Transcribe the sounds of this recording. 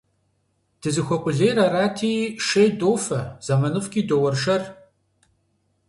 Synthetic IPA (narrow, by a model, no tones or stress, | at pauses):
d̥ɨzɨxʷɔqʷʼʊɮejɾaːraːtʰiːʃɐjdoːwfɐz̥amɐnɨfkʲʼiːdowɐrʃɐr